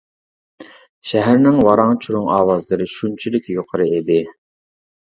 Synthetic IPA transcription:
ʃɛɦæɾnɪŋvɑɾɑŋt͡ʃʰuɾʊŋɑːwɑzlˠɨɾɨʃunt͡ʃʰilɪkʲjoqʰəɾɨed̪ɪ

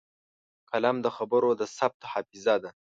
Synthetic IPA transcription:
qalamd̪əxabəɾod̪əsab̚t̪ohɑfɪzad̪a

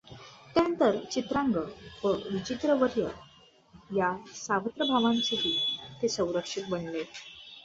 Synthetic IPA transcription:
t̪janənt̪əɾt͡ɕit̪ɾãŋɡəʋəʋit͡ɕit̪ɾəʋəɾjə | jasaʋət̪ɾəbʱaʋãnt͡seɦiːt̪esə̃w̃ɾəkʂit̪̚bənle

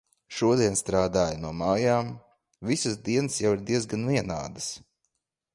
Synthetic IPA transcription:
ʃuɔd̪iɛnst̪ɾaːd̪aːjanuɔmaːjaːm | visɨsd̪iɛnɨsjawiɾd̪iɛzɡanviɛna̰ːd̪əs

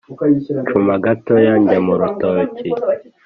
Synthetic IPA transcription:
t͡ʃumaɡatojaɲɟamuɾutoci

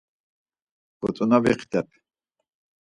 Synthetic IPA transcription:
ɡ̥ɔt͡s̪ʼunabiqʰt̪ɛp̚ʰ

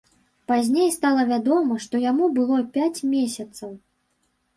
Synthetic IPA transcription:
pazʲnʲejst̪alˠɐvʲad̪ɔmɐʂt̪ɔjamubɨlˠɔpʲat͡sʲmʲesʲɐt̪sɐw

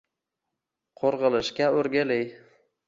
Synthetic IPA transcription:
qʰoɾʁɨlˠɪʃkʲaɵɾɡʲalɪj

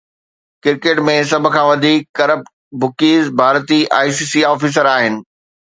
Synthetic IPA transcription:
kɪɾkeːʈmẽsɐbʱʊ̆kʰãːʋɐd̪ʱiːkkɐɾəp̚ | bʊkiːzbʱaːɾt̪iʔa̰ːisiːsiːɔːfiːs̬əɾaːɦɪnɪ̆

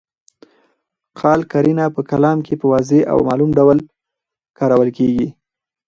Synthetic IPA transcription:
qʰɑlkaɾinapəkalɑmkʰepəwɑzeʔa̰wmɑlumɖawl | kɑɾawəlkeɡi

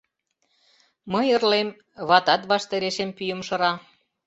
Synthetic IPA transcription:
məjə̆rlem | βɑt̪ɑt̪βɑʃt̪eɾeʃempyjə̆mʃɤ̆ɾɑ

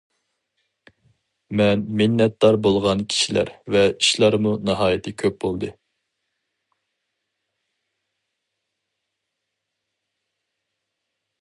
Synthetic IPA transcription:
mɛnmɪnːɛt̪̚d̪ɑɾbolˠʁɑnkʲʰi̥ʃilæ̰ɾvɛiʃlˠɑɾmunɨɦɑːjɪt̪ʰɪkʲʰøp̚bolˠd̪ɨ

